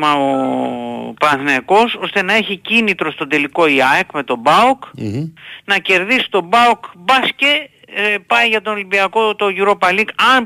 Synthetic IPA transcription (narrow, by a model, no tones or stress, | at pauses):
mɐo | pɾɐnθneko̞so̞st̪e̞nɐe̞çicinit̪ɾo̞st̪o̞d̪e̞liko̞iɐekme̞t̪o̞bɐuk | nɐce̞ɾðisi̥t̪o̞bɐukbɐsce | pɐjʝɐt̪oolimbiɐko̞t̪o̞ʝuɾo̞pɐlikɐn